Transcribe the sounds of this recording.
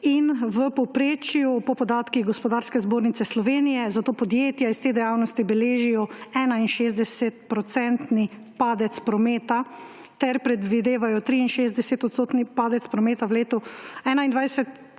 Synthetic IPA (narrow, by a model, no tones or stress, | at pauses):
inʋəpɔwpɾeːt͡ʃjupɔpɔd̪aːt̪kiɣɡɔspɔd̪aːɾskɛzboːɾnit̪ɛslɔʋeːnijɛzat̪oːpɔd̪jeːt̪jaist̪ed̪ɛjaːwnɔst̪ibɛleːʒijɔɛːnainʃeːzd̪ɛsɛt̪̚pɾɔt̪sɛnt̪ni | paːd̪ɛt̪spɾɔmeːt̪a | t̪ɛɾpɾɛd̪ʋid̪eːʋajɔt̪ɾiinʃezd̪ɛsɛt̪ɔt̪st̪oːt̪nipaːd̪ɛt̪spɾɔmeːt̪awleːt̪ɔɛːnaind̪ʋajɛsɛt̪